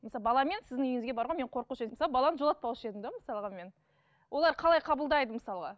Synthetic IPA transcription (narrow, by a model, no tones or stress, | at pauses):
məsɑbɑlˠɑme̞nsɪzd̪ɪŋʏjɪŋɪzɡʲebɑɾʁome̞ɴqʰo̞ɾquʃeməsɑbɑlˠɑnəʒoɑt̪pɑwɪʃe̞d̪ɪmd̪oməsɑlˠʁɑme̞n | wʔo̞lˠɑɾqʰɑlˠɑjqʰɑbəlˠd̪ɑjd̪əməsɑlˠʁɑ